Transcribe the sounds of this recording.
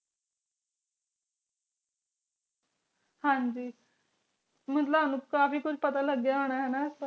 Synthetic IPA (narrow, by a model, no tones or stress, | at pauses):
hãːɲd͡ʒiː | mət̪ləbanũkaːfiːkʊt͡ʃʰpət̪aləɡjaɦoːɽ̃aɦɛnas